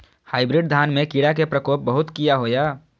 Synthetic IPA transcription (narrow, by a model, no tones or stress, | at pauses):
haːɪbɾɪɖd̪ʱaːnmẽkiɽak̬epɾəkoːp̚bəɦʊt̪kijaɦojaː